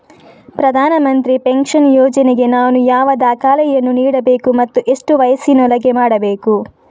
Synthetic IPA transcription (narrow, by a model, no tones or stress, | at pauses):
pɾɐd̪ʱaːnɐmɐnt̪ɾipeŋkʂɐnjɔːd͡ʒɐneɡe̞naːnujaːʋɐd̪aːkaːlɛjɐnːuniːɽɐbe̞ːkumɐt̪ːuʔe̞ʂʈuʋɐjɐsinɔlɐɡemaːɽɐbeːku